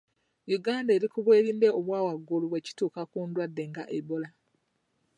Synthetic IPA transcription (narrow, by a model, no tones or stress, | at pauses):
juɡaːndeɾikuβwe̞ːɾiːnde̞o̞βwaːwaɡːuluβwe̞ci̥tuːkakuːndwadːe̞ŋɡaʔeβola